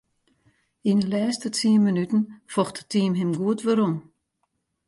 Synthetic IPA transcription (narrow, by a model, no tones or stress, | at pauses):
inəlɛːstətiːnmənytən̩fɔxtə̥tiːmɦɪmɡuətʋəɾom